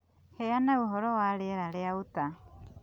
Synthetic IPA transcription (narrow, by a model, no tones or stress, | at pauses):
heanaoɦɔɾɔwaɾeɛɾaɾeaota